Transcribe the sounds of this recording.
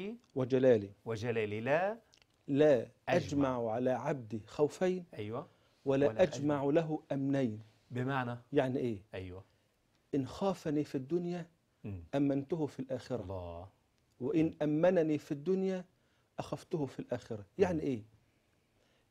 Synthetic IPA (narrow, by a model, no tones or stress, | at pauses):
wɪd͡ʒalaːliwɪd͡ʒalaːlila | laːʔʔad͡ʒmaʕʕalaʕab̚d̪ixawfajnʔajwa | walaʔad͡ʒmaʕlaɦʊʔamnajn | bɪmaʕnajaʕniʔeːʔajwa | ʔɪnxaːfanifid̪ːʊnja | ʔamːant̪ʊhʊfilʔaːxɪɾa | wɪʔɪnʔamːannifid̪ːʊnja | ʔaxaft̪ʊhʊfilʔaːxɪɾajaʕniʔeː